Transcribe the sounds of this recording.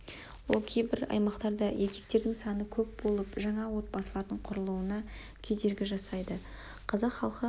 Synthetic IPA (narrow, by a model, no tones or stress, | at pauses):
wolˠkʲʰe̞jbɪɾɑ̰jmɑqt̪ɑɾd̪ɑjʔe̞kʲe̞k̚t̪e̞ɾd̪ɪŋsɑnəkʲʰɵp̚b̥o̞lˠəpʒɑɴɑwo̞t̪̚bɑsəlˠɑɾd̪əɴqʰʊɾəlˠuənɑ | kʲʰe̞d̪e̞ɾɡʲɪʒɑsɑjd̪ə | qʰɑzɑqχɑlˠqə